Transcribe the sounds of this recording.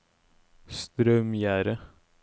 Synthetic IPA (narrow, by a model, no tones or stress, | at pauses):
st̪ɾœmjæːɾə